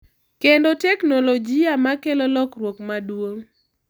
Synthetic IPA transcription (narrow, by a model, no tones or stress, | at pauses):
kendotɛknolod͡ʒiamakelɔlɔkrwokmadwoŋ